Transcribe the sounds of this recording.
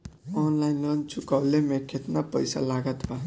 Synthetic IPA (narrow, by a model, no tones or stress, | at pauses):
ɔnlajnlʌnt͡ʃʰukawlemekʰet̪napʌjsa̰laɡʌt̪ba